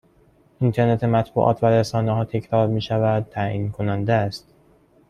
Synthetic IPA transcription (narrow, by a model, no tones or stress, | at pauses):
ʔint̪ʰe̞ɾne̞t̪ʰemæt̪ʰbṵːʔɒ̰ːt̪ʰvæɾesɒːneɦɒːt̪ʰe̞cʰɾɒːɾmiːʃævæd̪̚t̪ʰːæʔiːnkʰonænd̪eæst̪